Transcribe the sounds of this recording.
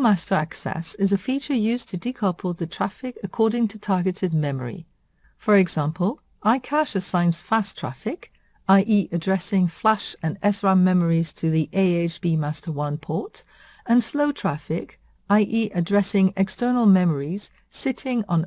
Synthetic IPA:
mæstə˞æksɛ̰sɨzɨfit͡ʃə˞jʉz̥tʰɨdikʰɑˑ˞pʰəl̩ˠðɨtʰɹ̥æfɪkɨkʰɔɹɾɪ̃ŋtʰɨtʰɑɹɡɨɾɨd̚mɛmə̰˞ḭ | fə˞ɨɡzæ̃mpʰəl̩ˠ | ʔaɪkʰæʃɨsãɪ̃nz̥fæstʰɹ̥æ̰fɪk | aɪʔiʔɨdɹɛsɪ̃ŋflæʃɨ̃nɛsɹamɛmə˞iz̥tʰɨðiʔeɪeɪt͡ʃb̥imæstə˞wʌ̃npʰɔɹt | ɨ̃nsloʊtʰɹ̥æfɪk | ʔaɪʔiʔɨdɹɛsɪ̃ŋɛkstɜ˞nl̩ˠmɛmə˞iz̥ | sɪɾɪ̃ŋə̃n

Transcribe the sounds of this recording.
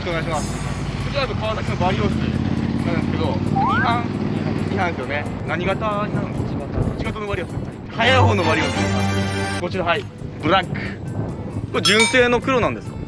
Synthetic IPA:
ɕikɯoneaɕimasɨ̥ | kot͡ɕiɾab̪okaβanakɯnobaɾʲioɕḭnãñd̪eske̞d̪o̞ihãŋãiɦãnsɨjo̞ne̞naɲ̟iɡat̪aɲinaɾɯ̃nɕimasot͡ɕiɡat̪onoβaɾiosid̪esaihajaiɦoːnobaɾio̞ɕid̪esakot͡ɕiɾaɦai | bɯ̟ɾakːɯ̥ | kod͡ʑɨ̃ɰ̃se̞ːno̞kɯ̟ɾo̞nãnd̪e̞sɨ̥ka

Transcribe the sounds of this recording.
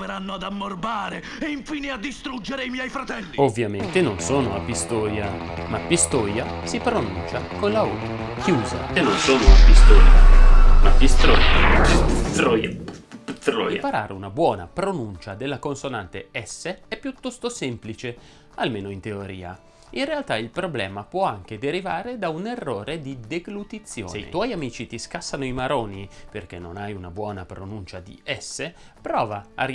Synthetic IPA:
eɾanːoad̪amːorbaːɾe | eiɱfiːnead̪ːist̪ɾud͡ʒeɾeimjɛjfɾat̪ɛlːiovːjament̪enonsoːnoapːist̪oːja | mapːist̪oːjasipɾonunt͡ʃakonlau | kʰjuːza̰enonsoːnoapːist̪oːja̰mapːist̪ɾɔːja | t̪ɾɔjapt̪ɾɔ̰ːjapaɾa̰ːɾeunabwɔːna̰pɾonunt͡ʃad̪elːakonsonant̪eɛsːeɛpːjut̪ɔst̪osɛmplit͡ʃe | almeːnoint̪eoɾḭːa̰ | inrealt̪ailpɾoblɛ̰ːmapwɔaŋk̟ed̪eɾivaːɾed̪aunerːoːɾed̪id̪eɡlut̪it̪sːjo̰ːeḭwɔjamiːt͡ʃit̪iskasːanoimaɾoːniperk̟enːonajunabwɔːnapɾonunt͡ʃad̪ḭɛsːe | pɾɔːvaːr

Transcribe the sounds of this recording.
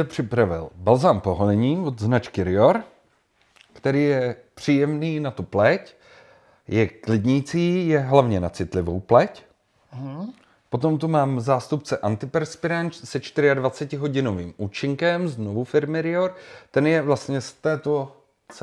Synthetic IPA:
ɛpr̝̥ɪpɾavɪ̰lbalzaːmpoɦolɛɲiːvod̪znat͡ʃkɪɾɪoɾ | kt̪ɛɾiːjɛpr̝̥iːjɛmniːnat̪uplɛc | jʔɛklɪd̪ɲiːt͡siːjɛɦlavɲɛnat͡sɪt̪lɪvo̰wplɛc | po̞t̪o̞mt̪umaːmzaːst̪up̚t͡sɛʔant̪ɪpɛɾspɪɾant͡ʃsɛt͡ʃt̪ɪɾɪadvat͡sɛcɪɦo̞ɟɪnoviːmuːt͡ʃɪŋkɛmznovufɪɾmɪɾɪoɾt̪ɛnjɛvlast̪ɲɛst̪ɛːt̪o | t͡s

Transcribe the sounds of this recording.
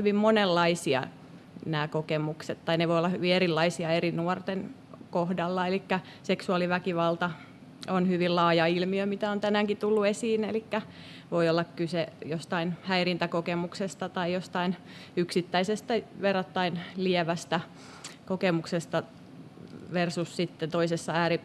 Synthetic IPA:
hyʋimmonelːɑisiɑ̰ | næːkokemukset̪t̪ɑineʋoijolːɑhyʋieɾilːɑisiɑerinuɔrt̪en | kohdɑlːɑelikːæ | seksuɑliʋækiʋɑlt̪ɑ | onhyʋillɑːjɑilmiømit̪æont̪ænæːŋkit̪ulːuesiːnelikːæ | ʋoiolːɑkkysejost̪ɑinhæirint̪ækokemuksest̪ɑt̪ɑijost̪ɑin | yksit̪ːæisest̪æʋerot̪ːɑinliɛʋæst̪æ | kokemuksest̪ɑ | ʋersussit̪ːent̪oisesːɑæːɾi

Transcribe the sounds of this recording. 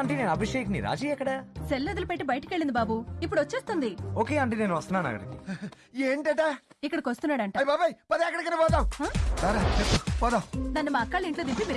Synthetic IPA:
ɐɳʈeneːnɐbʱiʂejknḭɾa̰ːd͡ʒiːɛkːɐɽaselːed̪ɐlupeʈːibɐjɐʈɐ̥keɭːind̪ibaːbuipːuɽot͡ʃːeːst̪und̪ioːkeːɐɳʈeneːnuʋɐst̪unaːnɐ̰ːɡɐ̰ɽɐki | eːɳʈɐɳʈeː | ikːɐɽɐkost̪unːaːɽɐɳʈajbaːbajpɐd̪eɐkːɐɽɐkɐnibɔːt̪aːwɦsaːɾet͡ʃepːubɔːd̪awd̪ɐnːimaːkːaːɭeɳʈloːd̪imimiɾ

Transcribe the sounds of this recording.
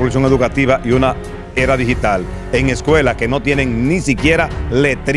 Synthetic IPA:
olus̬jo̞ŋe̞ðukat̪iβaʔiuna | e̞ɾaðihit̪al | e̞ŋe̞skwe̞laske̞no̞t̪je̞ne̞ŋnisikje̞ɾale̞t̪ɾ

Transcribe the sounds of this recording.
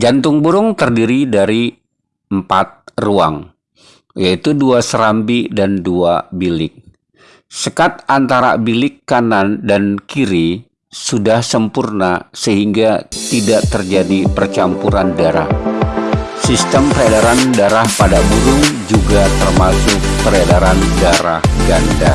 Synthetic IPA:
d͡ʒant̪ʊŋbuɾʊŋt̪ərdiɾidaɾi | əmpat̪̚rua̰ŋ | jait̪uduasəɾambidanduabilɪk̚ | səkat̪̚ant̪aɾa̰bilɪkːanandankiɾi | sudahsəmpurnasəɦiŋɡat̪idaʔt̪ərd͡ʒadipərt͡ʃampuɾandaɾa̰h | sist̪əmpəɾadaɾandaɾahpadabuɾʊŋd͡ʒuɡat̪ərmasʊk̚pəɾadaɾandaɾa̰hɡanda

